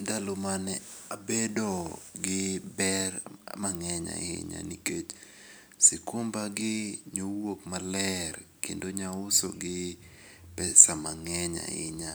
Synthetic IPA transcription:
dalomanɛabedɔɡɪbɛrmaŋɛɲa̰ɪ̰ɲa̰niket͡ʃ | sɪkʊmbaɡɪɲowokmalɛrkḛndoɲaʊso̰ɡɪ | pɛsamaŋɛɲa̰ɪ̰ɲa

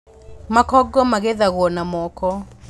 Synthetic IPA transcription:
makɔɡɔmaɣeðaɣwɔnamɔkɔ

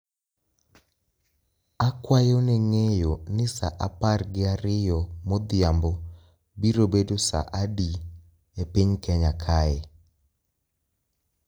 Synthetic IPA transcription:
akwajonɛŋejonɪsaʔaparɡɪaɾɪjɔmɔd̪ɪambɔ | biɾobedosa̰ʔadi | epiɲkɛɲakʰaɛ

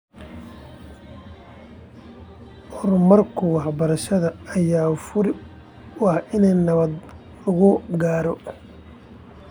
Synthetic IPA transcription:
hɔrmɐrkʰʊwɑħbɐɾɐʃɐðɐːjaːfʊɾɪ | ʊɑhʔɪnɛjnɐβɐd̪ | ɐɣʊɡaːɾɔ

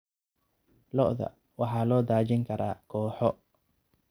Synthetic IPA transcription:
lɔʔðɐ̰ | wɑħɑːlɔːd̪aːt͡ʃɪŋkʰɐɾa̰ːkʰɔːħɔ

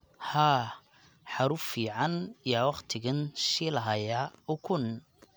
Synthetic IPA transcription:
haː | ħɑɾʊfiːʕɑnijaːwɑqt̪ʰɪɣɐnʃilɐɦɐjaʊkʰʊn

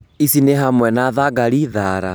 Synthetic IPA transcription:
isineɦamwɛnaðaɣaɾiðaɾa̰

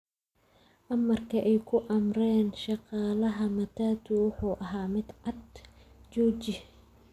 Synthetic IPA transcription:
ʔɐmɐrkʰɐʔɛjkʰʊʔɐmrɛːnʃɑqɑːlɐɦɐmɐt̪ʰaːt̪ʰʊwʊħuːʔɐɦaːmɪd̪ʕɑd̪t͡ʃɔːt͡ʃɪ

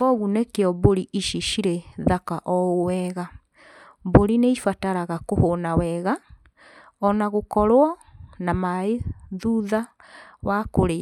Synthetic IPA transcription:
ɔɣunekeɔboɾiʔiʃiʃiɾeðakaʔɔowɛɣa | boɾineifataɾaɣakohonawɛɣa | ɔnaɣokɔɾwɔnamaeðuða | wakoɾe

